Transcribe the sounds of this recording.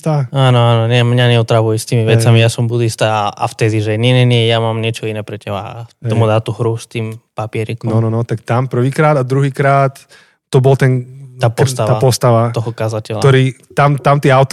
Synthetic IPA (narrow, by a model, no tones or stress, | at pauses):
t̪aaːnɔaːnɔɲɪɛmɲaɲɛɔt̪ɾaʋujɛst̪iːmiʋɛt͡samijasɔmbud̪ist̪aʔa̰ft̪ɛziʒɛɲɛɲɛnɪɛjamaːmɲɛt͡ʃɔinɛpɾɛcɛba̰t̪ɔmud̪aːt̪uɦɾust̪iːmpapɪɛɾiknɔɔnɔnɔt̪akt̪ampr̩ʋiːkɾaːd̪ad̪ɾuɦiːkɾaːt̪ː | ɔbɔlt̪ɛnaːp̪st̪aʋ̪aːapɔst̪aʋat̪ɔɦɔkazacɛlat̪ɔɾiːt̪amt̪amt̪iːaʊt̪